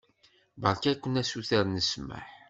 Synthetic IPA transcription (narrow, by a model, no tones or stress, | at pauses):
bəɾˤkækʷːənæsuθəɾnəsmə̰ħ